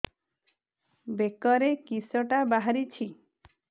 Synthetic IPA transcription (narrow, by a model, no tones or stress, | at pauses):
bekɔɾekisɔʈabaɦaɾit͡ʃʰi